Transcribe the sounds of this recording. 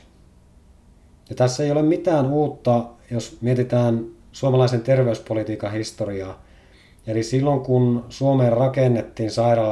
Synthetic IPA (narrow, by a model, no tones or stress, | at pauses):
jɑt̪æsːejolemmit̪æːnuːt̪ːɑjosmiet̪it̪æːn | suomɑlɑise̞nt̪e̞rʋeyspo̞lit̪iːkɑɦist̪oɾiɑː | elisilːoŋkunsuo̞meːrrɑkenːe̞t̪ːiːnsɑjɾɑlː